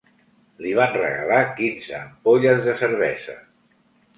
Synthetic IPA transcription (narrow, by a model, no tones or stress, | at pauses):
liβ̞anrə̰ɣə̰lakinzəːmpoʎəzðəsəɾβɛzə̰